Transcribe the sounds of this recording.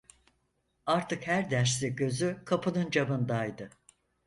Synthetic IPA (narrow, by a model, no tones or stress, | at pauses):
aɾt̪ʰɯkhæɾd̪æɾsliɟø̞zykʰapʰɯnɯnd͡ʒabɯnd̪ajd̪ɯ